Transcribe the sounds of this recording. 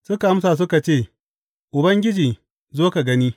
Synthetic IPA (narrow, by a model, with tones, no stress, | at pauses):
sʊ˦ka˨˦m˦sa˨s̬ʊ˦ka˨t͡ʃeː˦˨ | ʔʊ˨bɐ˦ŋɡʲɪ˦d͡ʒiː˨ | zoː˦ka˨ɡɐ˦niː˦